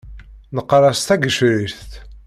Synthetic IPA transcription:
nəqːɾˤɑst̪æɡəʃɾiɾθt̪

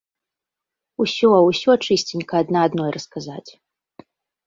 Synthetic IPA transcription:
usʲɔwsʲɔt͡ʂɨsʲt͡sʲinʲkɐːd̪naːd̪nɔjrʔɐskazat͡sʲ

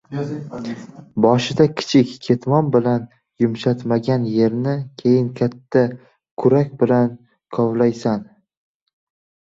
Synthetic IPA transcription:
bɒʃɪd̪akʲʰɪ̥t͡ʃʰɪkʲːʰe̞t̪ʰmɒnbɪlan | jʊmʃat̪maɡʲanje̞ɾnɪkʲʰe̞jɪnkʲʰat̪ʰːa | kʰʊɾakʲbɪlan | kʰɒwlajsan

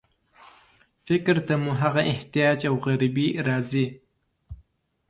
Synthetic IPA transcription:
fɪkɾt̪ʰamuɦaɣaʔeht̪ijɑːd͡ʒawɣaɾibiɾɑːzi

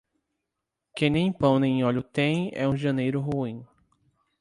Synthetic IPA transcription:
kẽj̃nẽj̃pɐ̃w̃nẽj̃ɔʎʊt̪ẽj̃ɛ̰ũʒɐ̃nejɾʊɦuĩ

